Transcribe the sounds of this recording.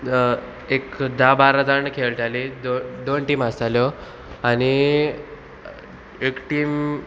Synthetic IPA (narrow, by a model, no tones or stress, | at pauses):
ekd̪ʱabaɾad̪aɳkʰelʈʰaled̪od̪onʈiːmasaljɔ | añi | ekʈiːm